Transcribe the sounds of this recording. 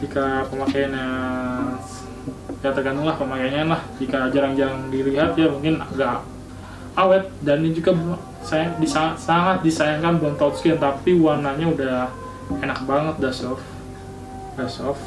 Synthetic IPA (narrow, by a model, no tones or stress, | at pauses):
tikapəmakajanja | jat̪ərɡant̪ʊŋlahpəmakajanɲanlahd͡ʒikad͡ʒaɾaŋd͡ʒaɾaŋdiliɦat̪̚jamuŋkɪna̰ɡaʔ | awɛt̪̚danad͡ʒuɡab | sajadisaŋat̪̚saŋat̪̚disajaŋkanbɔŋt̪at̪skɪnt̪apiwanaɲauda | enak̚baŋət̪̚dasɔf | dasɔf